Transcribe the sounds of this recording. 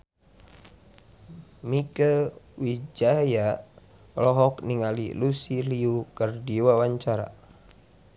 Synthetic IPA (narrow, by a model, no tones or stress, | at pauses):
mikəwid͡ʒaja | lɔɦɔkniŋalḭlusiliukərdiwawaɲt͡ʃaɾa̰